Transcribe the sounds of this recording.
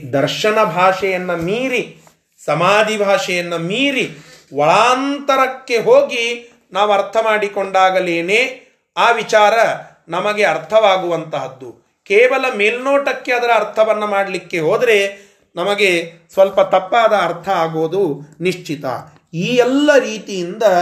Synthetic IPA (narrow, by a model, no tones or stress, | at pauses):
d̪ɐɾʃɐnɐbʱaːʂɛjɐnːɐmiːɾi | sɐmaːd̪ʱibʱaːʂɛjɐnːɐmiːɾiʋɐɭaːnt̪ɐɾɐkːe̞ɦoːɡi | naːʋuɐɾt̪ʰɐmaːɽikoɳɖaːɡɐleːneː | aːʋit͡ʃaːɾɐ | nɐmɐɡe̞ɐɾt̪ʰɐʋaːɡuʋɐnt̪ɐɦɐd̪ːu | kɛːʋɐlɐmeːlnoːʈɐkːe̞ɐd̪ɐɾɐːɾt̪ʰɐʋɐnːɐmaːɽɐlikːe̞ɦoːd̪ɐɾe̞ | nɐmɐɡe̞sʋɐlpɐt̪ɐpːaːd̪ɐːɾt̪ʰɐaːɡoːd̪uniʂt͡ʃit̪ɐ̰ | iːɛlːɐɾiːt̪ijind̪ɐ